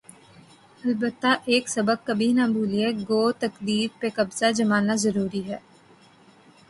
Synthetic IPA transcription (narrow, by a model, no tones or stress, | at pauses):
ɐlbət̪ːaʔeːksɐbəɡ̚kɐbʱinabʱuːlieɡoːt̪ɐkd̪iːɾpekɐbz̥ad͡ʒɐmaːnazɐɾuːɾiɦɛː